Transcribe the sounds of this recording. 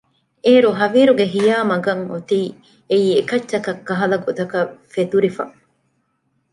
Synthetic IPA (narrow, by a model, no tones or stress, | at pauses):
eːɾuɦɐʋiːɾuɡeɦijaːmɐɡɐŋot̪iː | eiːekɐt͡ʃːʃːɐkɐkːɐɦɐlɐɡod̪ɐkɐfet̪uɾifɐ̰